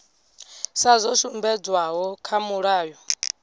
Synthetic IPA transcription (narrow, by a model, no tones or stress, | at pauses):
sazɔʃumbɛd͡zwaɦɔkʰamuɺaːjɔ